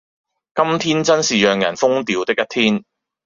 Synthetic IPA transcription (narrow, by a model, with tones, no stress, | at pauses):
kɐ˥mt̪ʰiː˥nt͡sɐ˥nsiː˨jœː˨˩ŋjɐ̰˨˩nfʊ˥ŋt̪iː˨˧wt̪ɪ˥k̚jɐ˥t̪ʰiː˥n